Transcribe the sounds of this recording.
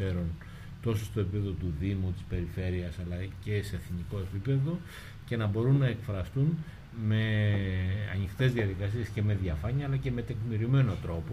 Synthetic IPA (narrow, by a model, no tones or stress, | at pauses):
e̞ɾon | t̪o̞sost̪opipe̞ðot̪uðimot̪i̥spe̞ɾife̞ɾiɐsɐlɐce̞seːθniko̞e̞pipe̞ðo̞ | ce̞nɐbo̞ɾunːɐe̞kfɾɐst̪un | me̞ | ɐ̰nixt̪e̞zðiɐðikɐsie̞sce̞me̞ðʝɐfɐɲɐːlɐce̞me̞t̪ekmiɾime̞no̞t̪ɾo̞po